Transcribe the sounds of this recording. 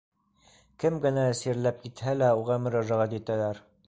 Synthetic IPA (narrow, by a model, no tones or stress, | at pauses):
kɘmɡɘ̆næɘ̆siɾlæp̚kit̪hælæuʁɑmɵ̆ɾɑʒɑʁɑt̪it̪ælæɾ